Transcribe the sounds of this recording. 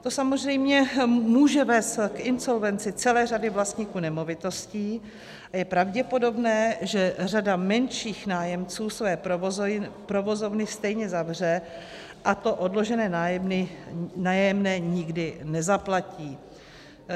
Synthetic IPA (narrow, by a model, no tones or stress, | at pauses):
t̪o̞samozrɛjmɲɛmuːʒɛvɛːst̪kʔɪnso̞lvɛnt͡sɪt͡sɛlɛːradɪvlast̪ɲiːkuːnɛmo̞vɪt̪o̞sciː | ajɛpɾavɟɛpo̞do̞bnɛːʒɛr̝adamɛnʃiːxnaːjɛmt͡suːsvɛː | pɾo̞vo̞zo̞vnɪst̪ɛjɲɛzavr̝ɛ | ʔat̪o̞ʔodloʒɛnɛːnaɪnaːjɛmnɛːɲɪɡdɪnɛzaplaciː